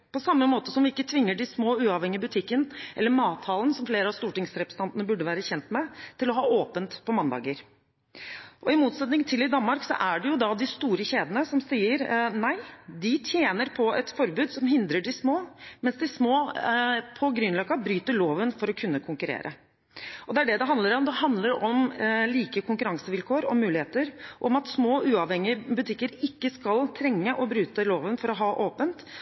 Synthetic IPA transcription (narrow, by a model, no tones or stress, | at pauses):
pʰɔsɑmːəmoːt̪əsɔmʋɪɪkːət̪ʰʋɪŋːəɖɪsmoːʉːɑʋɛŋːɪəbʉt̪ʰɪkːənʔɛlːəmɑːt̪ʰːɑːlən̩sɔmfleːɾəɑʋst̪uːʈɪŋsɾɛpɾəst̪ʰɑnt̪ənəbʉɖəʋæːɾəçɛnt̪mɛt̪ʰɪlɔɦɑːoːpənt̪pʰɔmɑnd̪ɑ̰ːɡəɾ | ʔɔɪmuːt̪sɛt̪nɪŋt̪ʰɪlɪd̪ɑnmɑɾksɔ̰ʔæɖɛjʊd̪ɑd̪ɪst̪uːɾəɕeːd̪ənəsɔmsiːəɾnæɪd̪ɪt̪ʰjeːnəɾpʰɔɛt̪fɔɾbʉːd̪sɔmɦɪnd̪ɾəɖɪsmoːmɛnsd̪ɪsmoː | pʰɔɡɾʏnːlɑːkɑbɾyːt̪əɭoːʋənfɔɾɔkʰʉnːəkʰʊŋkʉɾḛːɾʔə̰ | ɔd̪ɛæɖɛd̪ɛɦɑnd̪əɾɔmd̪ɛɦɑnd̪ləɾɔmliːkəkʰʊŋkʉɾɑŋsəʋɪlkʰoːɾɔmʉːlɪheːt̪əɾɔmɑt̪smoːʔʉːɑʋhɛŋːɪəbʉt̪ʰɪkːəɾɪkːəskɑlt̪ʰɾɛŋːəʔɔbɾʉːt̪əloːʋənfɔɾɔɦɑːʔoːpənt̪